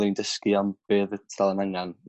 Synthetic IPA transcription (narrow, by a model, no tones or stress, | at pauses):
lˠindəskɨɔmb̥eːðətʰalˠənaŋan